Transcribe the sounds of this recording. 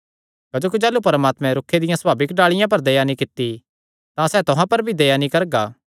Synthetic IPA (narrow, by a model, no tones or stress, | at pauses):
kɐd͡ʒoːk̬id͡ʒɛːlːupɐɾmaːt̪mɛ̃ɾʊkʰːed̪ɪjãsbaːbɪkɖaːɭɪjãp̬ɐɾd̪ejanĩkɪt̪ːi | t̪ãsɛːt̪ʊɦãpɐɾbʱid̪ejanĩkɐɾɡaː